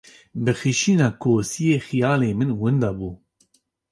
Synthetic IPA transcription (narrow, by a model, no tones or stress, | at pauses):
bɨxiʃiːnɑːkʰoːsijeːxijɑːleːmɨnwʊnd̪ɑːbuː